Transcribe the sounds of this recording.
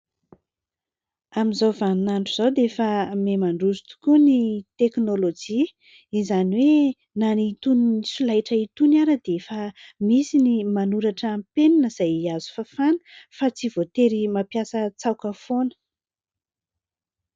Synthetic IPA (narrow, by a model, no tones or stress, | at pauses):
amizawvanunaɳɖ͡ʐuz̥awd̪efamemaɳɖ͡ʐuzu̥t̪u̥kunit̪eknolod͡ʒi | izaniwe | nanit̪uninisulajʈ͡ʂəit̪unaɾəd̪efamisinimanuɾaʈ͡ʂːmpeninəz̥ajiazu̥fafanə̥fat͡sivot̪eɾimapjasət͡sawkəfonə̥